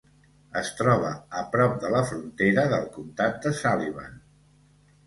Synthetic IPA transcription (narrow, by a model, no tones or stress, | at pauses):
əst̪ɾɔβəːpɾɔp̚d̪ələfɾunt̪eɾəðəlˠkunt̪at̪̚d̪əsaliβa̰n